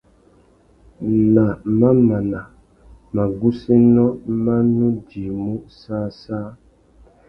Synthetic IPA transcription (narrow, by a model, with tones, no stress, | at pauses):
na˨mã˦mã˨na˨ | mã˨ɡu˦si˦nɔ̃˦mã˦nũ˦di˨mũ˦saː˦sa˦